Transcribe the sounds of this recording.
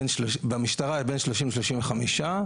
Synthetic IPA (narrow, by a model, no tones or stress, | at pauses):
nʃlobamiʃtaʁaibenʃloʃimveʃ̬loʃimveχamiʃa